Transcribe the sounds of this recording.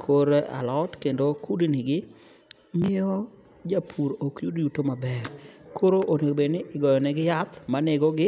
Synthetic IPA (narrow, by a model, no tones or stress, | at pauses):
kʰoɾa̰lɔtkendokudnɪɡɪ | mɪjɔ | d͡ʒapʰuɾokjudjutomabɛɾkʰoɾoʔoneobenɪɪɡɔjɔnɛɡɪjat̪maneɡɔɡɪ